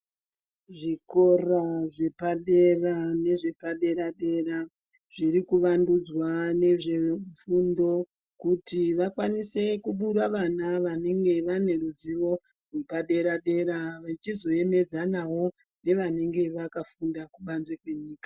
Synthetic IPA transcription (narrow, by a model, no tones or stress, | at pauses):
ʐiko̞raʐe̞paɗe̞rane̞ʐe̞paɗe̞ɾaɗe̞ra | ʐ̥iɾikuʋandud͡zwane̞ʐe̞fundo̞ | kutiʋakwanise̞kuɓuɾaʋanaʋane̞ŋɡe̞ʋane̞ɾuziʋo̞ | rwe̞paɗe̞ɾaɗe̞ɾaʋait͡ʃizo̞e̞me̞d͡zanawo̞ | ne̞ʋane̞ŋɡe̞ʋakafundakuɓanzwekwe̞ɲiːkḁ